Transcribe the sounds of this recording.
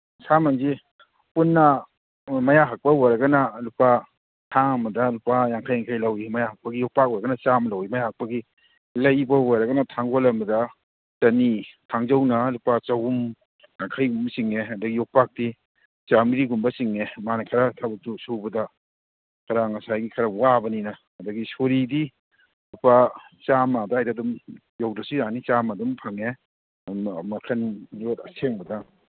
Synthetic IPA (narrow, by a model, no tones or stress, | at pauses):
samanzi | punːɐ | mɐjaɦak̚pɐweɾɐɡɐnɐlupa | tʰaŋɐmɐdɐlupajaŋkʰajaŋkʰajlawimɐjahak̚pɐɡijɔk̚pak̚wɔɾaɡɐnɐt͡ʃamlawimajahak̚pɐɡi | lɐjbɐweɾɐɡɐnɐtʰaŋɡolɐmɐdɐ | t͡ʃɐnitʰaŋzɐwnɐlupat͡ʃawum | ŋakʰajɡumbsiŋeɐdɐɡijɔk̚pak̚di | t͡ʃamiɾiɡumbɐsiŋemanakʰɐɾatʰabɐtusuwbɐdɐ | kɐɾaŋɐsajɡikʰɐɾɐwabɐninɐ | ɐdɐɡisoɾidi | lupat͡ʃamadɐajdadum | jawdɐsuɾanit͡ʃamadumpʰɐŋe | mɐkʰɐnjotɐ̰seŋbɐdɐ